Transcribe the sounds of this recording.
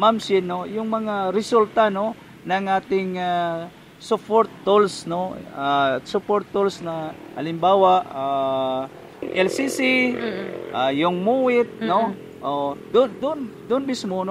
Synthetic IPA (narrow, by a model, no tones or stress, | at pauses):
mamsɪnojʊŋmɐŋaɾɪsult̪ano | nɐŋʔaːt̪ɪŋa | sʊpoɾt̪ːolsnoasʊpoɾt̪ːolsnɐʔɐ̰lɪmbaːwaʔa | ʔɛlsisi | ʔajʊŋmuwɪt̪̚no | ʔod̪ʊnd̪ʊnd̪ʊnmismono